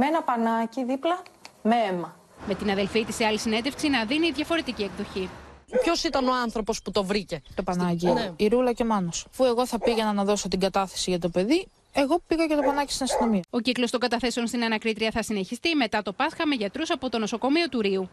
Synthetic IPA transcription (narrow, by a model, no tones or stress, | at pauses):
meenɐpɐnɐciðiplɐmeemɐ | me̞t̪inɐðe̞lfit̪iseɐlisine̞nd̪e̞fksinɐðiniːðʝɐfo̞ɾe̞t̪icie̞kðo̞çipço̞sit̪ɐno̞ɐnθɾo̞po̞sput̪o̞vɾice̞t̪o̞pɐnɐciiɾulɐce̞mɐnosfue̞ɣo̞θɐpiʝenɐnɐðo̞so̞t̪iɡɐt̪ɐθe̞̥siʝɐt̪̬o̞pe̞ði | e̞ɣo̞piɣɐcet̪o̞pɐnɐcist̪inɐst̪ino̞miɐo̞ciklost̪o̞ŋɡɐt̪ɐθe̞seo̞nst̪inɐnɐkɾit̪ɾiɐθɐsine̞çist̪ime̞t̪ɐt̪o̞pɐsxɐme̞ʝɐt̪ɾusɐpo̞t̪o̞no̞so̞ko̞mio̞t̪uɾiu